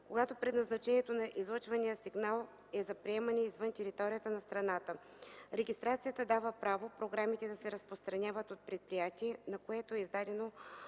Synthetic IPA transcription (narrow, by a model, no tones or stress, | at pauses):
koɡat̪opɾɛd̪nɐznɐt͡ʃɛniɛt̪onɐʔizlˠɤt͡ʃvɐnijəsiɡnalˠ | ɛzɐpɾiɛmɐnʲɛizvənt̪ʲɛɾit̪ɔɾijət̪ənɐst̪ɾɐnat̪ə | ɾɛɡʲist̪ɾat̪sijət̪əd̪avəpɾavopɾoɡɾamit̪ɛd̪ɐsɛɾəspɾost̪ɾɐnʲavət̪ot̪̚pɾɛt̪̚pɾijat̪ʲiɛnɐkoɛt̪oɛizd̪ad̪ɛno